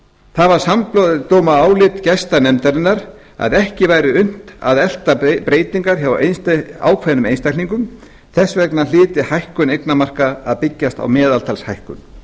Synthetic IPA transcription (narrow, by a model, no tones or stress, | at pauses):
θaðvaɾ̥samploðt̪oːwmaaːwlɪt̪cɛjst̪anɛmt̪aɾɪnːaɾ | a̰ðɛhcɪvajɾɪʏn̥t̪a̰ðɛl̥t̪apɾeːjt̪iŋkaɾ̥çavaʔejnst̪a̰ːwkʰvajnʏmejnst̪ajkʰliŋkʏm | θɛsːvɛknalɪːt̪ɪhajhkʏnejknamar̥kaːðpɪcːast̪a̰wmɛːðalt̪ʰalshajhkʏ̰m